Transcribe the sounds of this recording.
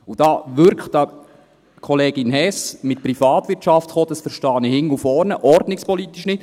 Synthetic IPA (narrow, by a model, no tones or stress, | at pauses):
ud̥ɑːʋʏɾkχtɑ | kʰɔleːɡ̥ɪnhɛsmɪt̪̚pɾifɑːt̪ʋɪtt͡ʃʃɑft̪χoːd̥̪ɑsfəɾʃtɑːnihɪŋːəufɔɾnəʔɔɾdnɪkspɔlit̪ːiʃnɪt